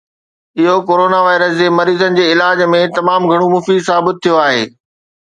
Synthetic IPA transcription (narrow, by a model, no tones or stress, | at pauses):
ɪɦokoːɾoːnaʋaːɪɾəsd͡ʑeːmɐɾiːzənɪ̆d͡ʑeːɪlaːd͡ʑmẽt̪ɐmaːmɡʱɐɽ̃omʊfiːzsaːbɪt̪ʰːijoaːɦeː